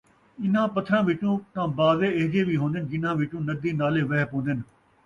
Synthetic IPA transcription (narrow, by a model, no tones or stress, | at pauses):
ɪnãːpət̪ʰːɾãːʋɪt͡ʃũːt̪ãːbaːzeːɪɦɡeːʋiːɦõːnd̪ɪnd͡ʒɪnãːʋɪt͡ʃũːnəd̪iːnaːleːʋɛːɦpõːnd̪ɪn